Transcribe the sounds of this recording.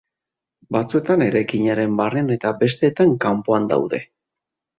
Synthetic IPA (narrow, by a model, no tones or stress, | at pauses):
bat͡sue̞t̪ane̞ɾajkiɲaɾe̞mbareane̞t̪abe̞st̪e̞ːt̪aŋkampoand̪a̰wðe̞̰